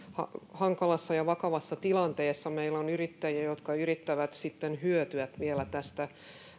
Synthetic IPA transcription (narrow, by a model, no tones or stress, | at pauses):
hɑ̰hɑŋkɑlɑsːɑjɑʋɑkɑʋɑsːɑt̪ilɑnt̪eːsːɑmeilonyrit̪ːæjiæjot̪kɑyɾit̪ːæʋæt̪sit̪ːenhyøt̪yæt̪ʋielæt̪æst̪æ